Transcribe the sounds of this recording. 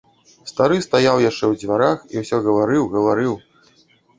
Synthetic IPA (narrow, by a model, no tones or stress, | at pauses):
st̪aɾɨst̪ajawjaʂt͡ʂɛwd͡zʲvʲaɾaxḭwsʲɔɣɐvaɾɨwɣɐvaɾɨw